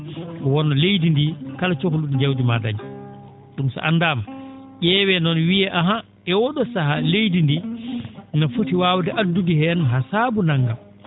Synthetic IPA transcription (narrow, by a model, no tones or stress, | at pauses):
ɔwɔnːɔlejdindikalat͡ʃokuluɗid͡ʒawdima̰da̰ɲi | ɗumsa̰ʔanːdam | ʔʲɛːwɛnɔnwijɛʔaɦa | ɛwɔɗɔsahalejdindi | nɔfotiwawdɛʔadːudihɛnɦasabunaŋɡa